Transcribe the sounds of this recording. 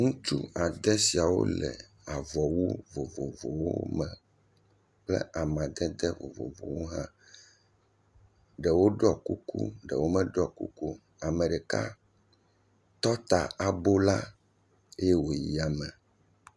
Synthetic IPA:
ŋũ˦t͡ʃu˦a˨d̪ɛ˦si˨a˨wo̰˦lɛ̰˨ | a˨vɔ˨wu˦vo˨vo˨vo˨wo̰˦mɛ̃˨ | plɛ̰˦ʔa˨mã˨d̪ɛ˦d̪ɛ˦vo̰˨vo̰˨vo̰˨wo˦ɦã̰˦ | ɖɛ˨wo˦ɖɔ˦ku˦kṵ˦ɖɛ˨wo˦mɛ˦ɖɔ˦˨kṵ˦ku˦ | a˨mɛ̃˨ɖɛ˨ka̰˦ | t̪ɔ˦t̪a˨a˨bo˦la˦ | e˦je˦wo˨ji˨a˨mɛ˨

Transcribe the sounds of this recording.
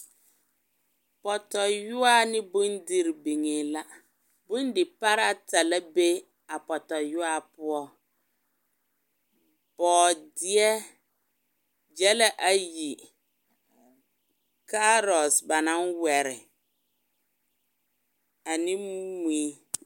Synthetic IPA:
pɔ˨tɔ˨jʊ˦a˦nɪ˦bʊ˦ndi˦ɾbi˨ŋe˨la˦ | bʊ̃˦n˦dɪ˨pa˦ɾa˦ta˨la˦be˦ | a˨pɔ˨tɔ˨jʊ˦a˦˨pʊ˦ɔ˦ | b̥ɔː˨dɪ˦ɛ˦ | d͡ʒɛ˦la˦ʔa˨ji˨ | ka˦ɾɔ˨sba˨nã˦nwɛ˨ɾɪ˨ | a˨nɪ̃˦mu˦mi˦

